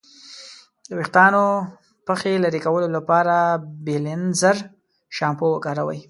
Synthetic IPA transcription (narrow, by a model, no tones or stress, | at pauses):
d̪əwɪxt̪ɑno | pəxelaɾikawəlolapɑɾabelɪnzəɾ | ʃɑmpowəkɑɾawa̰j